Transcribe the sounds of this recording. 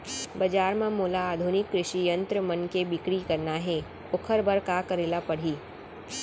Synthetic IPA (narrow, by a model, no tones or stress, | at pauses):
bɐd͡ʒaːɾmãmoːlaaːd̪ʱunɪkːɾɪʃijə̃nt̪ɾəmɐnkebɪkɽikɐɾnaɦɛ | ʊkʰəɾbəɾkaːkɐɾeːlapɐɽ̤iː